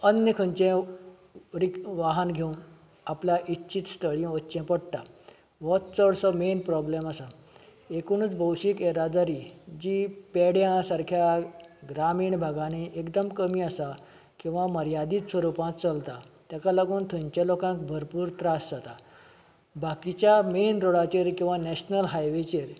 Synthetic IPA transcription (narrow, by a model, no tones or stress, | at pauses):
ənjəkʰə̃ɲt͡ɕɛ̃ | ɾikʋaɦanɡʱewn | aplaʔitːɕit̪st̪ʰəɭiʋətːɕɛ̃pəɽʈa | ʋɔt̪t͡səɽsɔmenpɾɔblemasa | ekuɽ̃ũt͡sbʱəwɕiːkeɾad̪aɾiːd͡ʑiːpeɽjãsaɾkʰjaɡɾamiːɳbʱaɡãneʔekd̪əmkəmiːasa | kĩw̃ʋaməɾjad̪iːt̪sʋəɾupãt̪t͡səlt̪at̪jakalaɡuːnt̪ʰũɲt͡ɕjalokãk̚bʱəɾpuːɾt̪ɾasd͡zat̪a | bʱakit͡ɕjamenɾoɽat͡ɕeɾkĩw̃ʋanɛɕnəlɦajʋet͡ɕeɾ